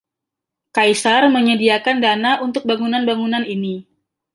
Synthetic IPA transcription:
kajsarməɲədiakandanaunt̪ʊk̚baŋunanbaŋunanini

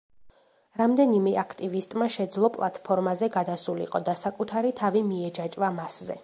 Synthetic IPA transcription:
ɾamd̪ɛnimɛʔakʰt̪ʼivist̪ʼmaʃɛd̪zlˠɔpʼlˠat̪ʰpʰɔɾmazɛɡad̪asulḭqʼɔd̪asakʼut̪ʰaɾit̪ʰavimiɛd͡ʒat͡ʃʼvamaszɛ̰

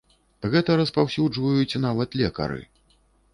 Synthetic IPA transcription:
ɣɛt̪ɐɾɐspawsʲud͡ʐvɐjut͡sʲnavɐt̪lʲɛkɐ̰ɾɨ̰

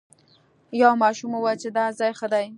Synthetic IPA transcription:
jɑwmɑʃumowajt͡ʃed̪ɑzɑjxəd̪aj

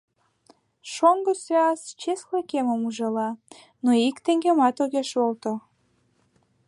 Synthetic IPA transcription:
ʃoŋɡəseɑst͡ɕesxlekeməmuʒɑlɑ | noikt̪eŋɡemɑt̪oɣeʃolt̪o

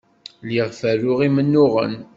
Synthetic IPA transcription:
liʁfæɾʊʁimənːʊʁə̰n

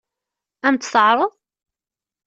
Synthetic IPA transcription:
æmt̪θəʕɾˤəðˤ

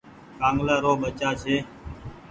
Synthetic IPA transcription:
kãːŋɡlaːɾoːɓət͡ʃaːt͡ʃʰeː

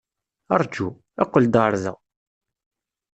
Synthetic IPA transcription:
ɑɾˤd͡ʒu | æqːəld̪ɾˤðə̰

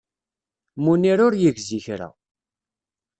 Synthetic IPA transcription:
muniɾʊɾjiɡziçɾæ̰

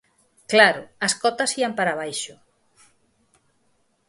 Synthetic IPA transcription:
klaɾʊɐskɔt̪ɐsiɐmpaɾaβ̞ajʃʊ

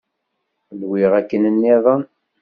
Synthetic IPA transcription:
ðwɪʁækːənənːiðˤən

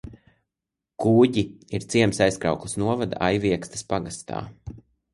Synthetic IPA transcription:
kuːɟiiɾt̪siɛmsajskɾa̰ʊklˠusnuɔvad̪a̰ʔajviɛkst̪ḁspaɡast̪a̰ː

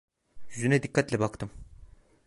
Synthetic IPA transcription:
jyzynɛd̪ikʰːat̪lʲɛbakt̪ʰɯm

